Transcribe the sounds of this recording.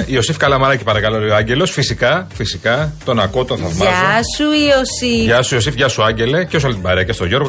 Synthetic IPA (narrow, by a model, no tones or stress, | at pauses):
io̞sifkɐlɐmɐɾɐci̥pɐɾɐkɐloleoɐɲɟe̞lo̞sfisikɐfisikɐt̪o̞nɐkot̪onθɐvmɐzosuiosiʝɐsuio̞sifʝɐsuɐɲɟe̞le̞cesuɐlit̪ibɐɾeɐcest̪o̞ʝo̞ɾɣ